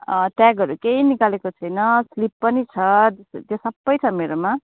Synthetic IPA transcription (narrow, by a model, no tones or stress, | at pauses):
ʈaɡɦʌɾukeinikalekot͡sʰʌjnʌslipːʌnit͡sʰʌt̪st̪josʌbːʌjt͡sʰʌmeɾoma